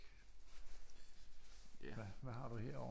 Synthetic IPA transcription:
æʋæhɑ̈d̥uheɐ̰ɒ

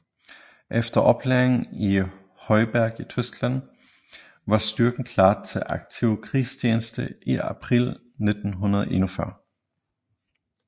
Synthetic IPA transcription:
ʔefd̥ɐʔɒ̽b̥leɐeŋn̩i | hɒ̽ɪb̥æɐ̰ɡ̥it͡sʰøsɡ̥læn̰ | ʋɑ̈sd̥yɐɡ̥n̩kʰlɑ̰̈ːt͡sʰe̝ʔɑɡ̥̚t͡sʰiʊkʰʁiːsʰjeːnəsd̥əʔiæpʰʁil | ned̥n̩ɦunɐðˠʔenufɶɐ̰

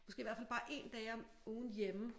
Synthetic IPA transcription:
mɔsɡe̝ːiʋæɐ̰fælb̥ɑ̈ːʔe̝̰ːnd̥ɛːɪɐ | oːnjemə

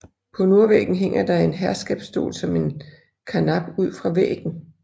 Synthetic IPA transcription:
pʰɒ̽no̝ɐʋḛːɡ̥n̩ɦeŋ̰ɐd̥ɑ̈e̝nɦæɐsɡ̥ɛːb̥sd̥o̝̰ːlsɒ̽me̝n | kʰɑnɑ̈b̥uð̞̰ˠfʁɑ̈ʋḛːɡ̥n̩

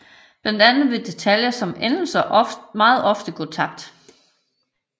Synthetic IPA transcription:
b̥lænd̥ænð̩ˠʋe̝d̥e̝t͡sʰæljɐsɒ̽menl̩sɐʔmɑ̈ːð̞̩ˠɒ̽fd̥əɡ̥ot͡sʰɑ̈b̥̚d̥

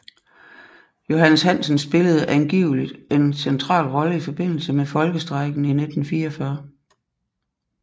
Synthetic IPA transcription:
jo̝ɦænəshæn̰sən̩sb̥e̝ləð̞̩ˠʔænɡ̥ḭːʊlid̥e̝nsent͡sʰʁɑ̰̈ːlʁɒ̽ləifɒ̽b̥e̝n̰l̩səmefɒ̽lɡ̥əsd̥ʁɑ̈ɪɡ̥n̩ine̝d̥n̩fiːɐɒfɶːɐ

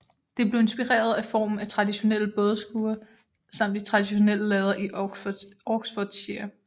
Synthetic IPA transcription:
d̥e̝b̥le̝ʊe̝nsb̥iʁɛ̰ːɐð̞ˠæfɒ̰ːmn̩æt͡sʰʁɑ̈diɕo̝nel̰əb̥ɔð̞ˠsɡ̥uːɐ | sɑ̈m̰d̥it͡sʰʁɑ̈d̥iɕo̝nel̰əlɛːðˠɐʔi̥ | ɒɡ̥sfɔd̥ɕiɐ

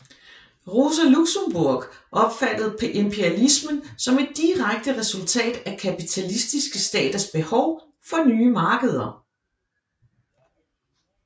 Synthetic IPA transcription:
ʁo̝sæluɡ̥səmb̥uɐ̰ɡ̥ʔɒ̽b̥fæd̥əð̞̩ˠpʰɒ̽ʔe̝mpʰeælismənsɒ̽me̝d̥̚ːiʁaɡ̥̚d̥əʁɛsult͡sʰɛ̰ːd̥ækʰæpit͡sʰælisd̥isɡ̥əsd̥ɛ̰ːd̥ɐsb̥e̝hɒʊ | fɒ̽nyːmɑ̈ːɡ̥əð̞ˠɐ

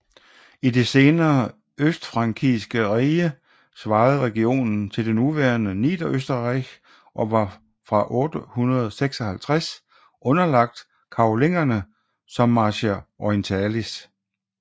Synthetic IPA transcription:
id̥e̝se̝ːnɐː | øsd̥fʁɑ̈ŋkʰisɡ̥əʁiːə | sʋɑ̈ːð̩ˠʁɛɡ̥io̝̰ːnn̩t͡sʰe̝ld̥enːuʋæːɐnənḭːd̥ɐʔøsd̥ɐʁɑɡ | ʔɒ̽ʋɑ̈ | fʁɑ̈ʔɔ̽ːd̥əhunɐð̞ˠseɡ̥sɒhælt͡sʰʁæs | ʔɔ̽nɐlɑ̈ɡ̥̚d̥ | kʰɑ̈oleŋ̰ɐnə | sɒ̽mːɑ̈ːɕeʔɒent͡sʰælis

